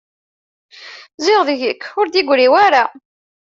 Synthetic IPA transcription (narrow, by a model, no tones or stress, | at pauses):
zɪʁðʝəkːʊɾd̪iɡʷɾiwaɾa